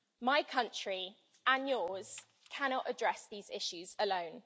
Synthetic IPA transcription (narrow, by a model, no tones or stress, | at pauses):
maɪkʰʌ̃nt͡ʃɹ̥i | ə̃njɔːz̥ | kʰanɒtədɹɛsðiːz̥ɪʃʉzələ̃ʊ̃n